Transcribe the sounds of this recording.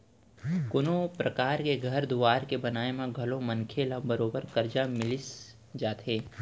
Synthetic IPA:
kʊnopɾɐkaːɾkeɡʱɐɾd̪ʊʋaːɾkebɐnaːemẽɡʱɐlõmɐ̃nkʰeːlabɐɾoːbəɾkɐɾd͡ʒamɪlɪs | d͡ʒaːt̪ɦeː

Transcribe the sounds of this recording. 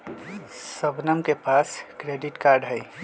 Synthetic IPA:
səbnəmkepaskɾeɖiʈkaɾɖɦəj

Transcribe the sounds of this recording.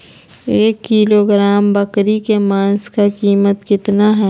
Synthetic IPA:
eːkːiːloːɡɾaːmbɐkɾikemaːnskakiːmət̪kɪt̪naɦɛ

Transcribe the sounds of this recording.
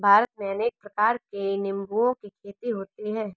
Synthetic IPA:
bʱaːɾət̪̚meɐneːk̚pɾɐkaːɾkenɪ̃mbuõkikʰeːt̪iɦoːt̪iɦɛː

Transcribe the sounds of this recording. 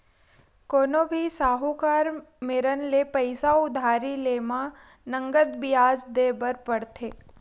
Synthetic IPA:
koːnobʱisaːɦukaːɾmeɾənlepəɪsaʊd̪ʱaːɾileːmã | nə̃ŋɡəd̪bɪjaːzd̪eːbəɾpəɽt̪ʰeː

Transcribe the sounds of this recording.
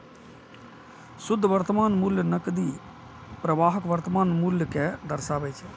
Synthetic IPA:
sʊd̪ʱːʋɐɾt̪əmaːnmuːljənɐkd̪iː | pɾɐʋaːɦɐkʋɐɾt̪ɐmaːnmuːljəked̪ɐɾsaːʋet͡ʃʰe

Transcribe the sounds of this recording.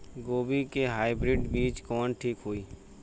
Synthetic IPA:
ɡoːbikeɦaːibɾɪɖbiːt͡ʃkɔːnʈʰiːkɦoːiː

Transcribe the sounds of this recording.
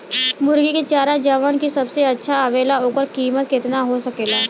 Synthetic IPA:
mʊɾɡiket͡ʃaːɾad͡ʒəʋənkisɐbseɐtːʃʰaəʋeːlaɦoːkəɾkiːmət̪̚kɪt̪naɦosəkeːlaː

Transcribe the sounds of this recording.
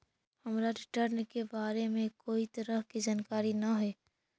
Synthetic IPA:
hɐmɾaɖɪʈəɾnkebaːɾemẽkoːit̪ɐɾəɦkizaːnkaːɾinɐɦɛː

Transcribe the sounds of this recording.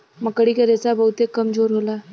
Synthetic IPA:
məkɽiːkəɾet͡sabəɦut̪ekːəmd͡zoɾɦola

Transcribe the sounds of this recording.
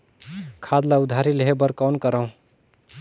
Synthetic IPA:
kʰad̪laud̪ʱaɾileɦebəɾkawnkəɾəũ

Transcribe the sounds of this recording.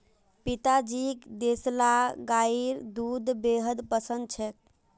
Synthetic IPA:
pit̪ad͡ʒikd̪eslaɡaiɾd̪ud̪beɦəd̪pəsənd̪t͡ʃʰɛk̚

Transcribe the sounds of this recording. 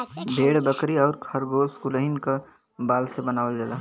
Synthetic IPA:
bʱeɽbəkɾiɔːɾkʰəɾɡoːskuləɦinka | baːlsebənaːʋəld͡ʒeːla

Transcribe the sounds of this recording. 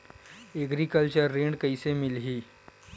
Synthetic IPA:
eɡɾikəlt͡ɕəɾːeɳɖkəisemɪlɦiː

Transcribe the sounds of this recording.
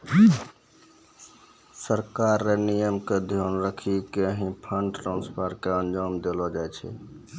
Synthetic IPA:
səɾkaɾːenijəmked̪ʱjonɾəkʰikeəɦĩpʰəɳɖʈɾãnspʰəɾkeənd͡ʒɔmd̪elɔd͡ʒajt͡ʃʰɛ̰

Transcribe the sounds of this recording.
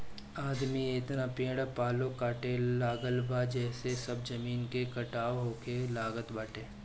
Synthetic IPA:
aːd̪miɪt̪napẽːɽapaːlokaːʈelaːɡəlbʱad͡ʒɛːsesɐb̚d͡ʒɐmiːnkekɐʈaːoɦoːkelaːɡət̪baːʈeː

